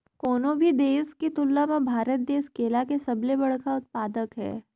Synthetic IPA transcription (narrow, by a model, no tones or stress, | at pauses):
koːnõbʱid̪eːsket̪ʊlːamẽbʱaːɾət̪̚d̪eːskeːlakesɐblebɐɽ̤kaʊt̪̚paːd̪əkɦɛ̰ː